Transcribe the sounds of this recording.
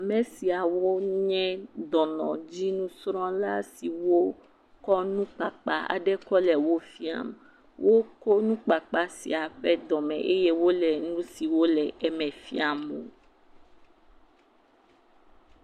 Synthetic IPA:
a˨mɛ̃˨si˨a˨wo˦ɲɛ̃˦d̪ɔ˨nɔ̰̃˨d͡ʑi˦nũ˦sɾɔ̃˦la˦si˨wo˦ | kɔ˦nũ˦k͡pa˨k͡pa̰˦a̰˨ɖɛ˦kɔ˦lɛ˨wo˦fi˦a̰˦m | wʔo˦ko˦nũ˦k͡pa˨k͡pa˦sḭ˨a˨ɸɛ˦d̪ɔ˨mɛ̰̃˨ʔe˦je˦wo˦lɛ˨nũ˦si˨wo˦lɛ˨ɛ˨mɛ̃˨fḭ˦a˨mõ̰˨

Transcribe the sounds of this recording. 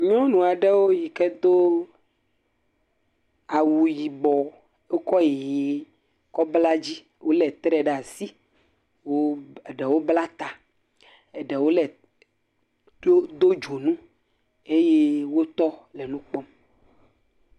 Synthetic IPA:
ɲɔ̃˦nũ˨a˨ɖe˦wo˦ji˨kɛ˦d̪o˦ | a˨wu˨ji˨bɔ˨ | o˦kɔ˦je˨je˨ | kɔ˦bla˦d͡ʑi˦ | wo˦lɛ˨t̪ɾɛ˦ɖɛ˨a˨si˦ | wo˦˨ɖɛ˨wo˦bla˦t̪a˨ | e˨ɖɛ˨wo˦lɛ˨˦ | o˦d̪o˦d͡ʒo˨nũ˦ | e˦je˦wo˦t̪ɔ˦le˨nũ˦k͡pɔ˦m

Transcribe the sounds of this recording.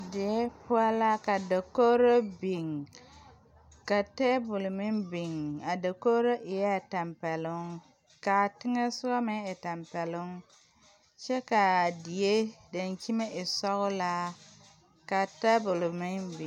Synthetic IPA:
dɪ˨e˦pʊ˦a˦la˦ka˨da˨ko˦ɾo˦bi˨ŋ | ka˨tɛ˦bʊ˨lʊ˨mɪ˦nbi˨ŋa˨da˨ko˦ɾo˦ʔɪ˨ja˦˨ta˨mpɛ˨lʊ˦ŋ | ka˨tɪ˦ŋɛ˦sʊ˦ɡa˦mɪ˦ŋɪ˨ta˨mpɛ˨lʊ˦ŋ | t͡ʃɛ˦ka˨dɪ˨je˦da˨nt͡ʃi˦me˦ʔɪ˨sɔ˦ɣʊ˦la˦ | ka˨tɛ˦bʊ˨lmɪ˦nbi˨

